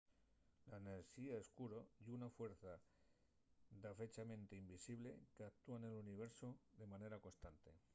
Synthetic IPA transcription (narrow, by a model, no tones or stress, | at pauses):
lanesiaeskuɾojunafwe̞ɾθa | ðafe̞t͡ʃamẽ̞nt̪eimbisiβ̞le̞keak̚t̪uaneluniβ̞e̞ɾsoðe̞mane̞ɾako̞st̪ant̪e̞